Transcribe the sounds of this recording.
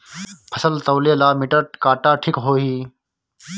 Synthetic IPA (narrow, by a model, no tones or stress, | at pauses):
pʰəsəlt̪əʋleːlaːmiʈəʈkaːʈaːʈʰikɦoːɦiː